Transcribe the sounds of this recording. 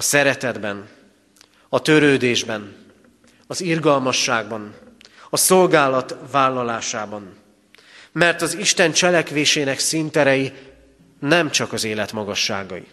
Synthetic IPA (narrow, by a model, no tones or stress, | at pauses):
ɒsɛɾɛt̪ɛd̪bɛn | ɒt̪ø̞ɾøːd̪eːʒbɛn | ɒzirɡɒlmɒʃːaːɡ̚bɒn | ɒso̞lɡaːlɒt̪vaːlːɒlaːʃaːbɒn | mɛrt̪ɒziʃt̪ɛnt͡ʃɛlɛkʋeːʃeːnɛksint̪ɛɾɛji | nɛmt͡ʃɒkɒzeːlɛt̪mɒɡɒʃːa̰ːɡɒ̰jḭ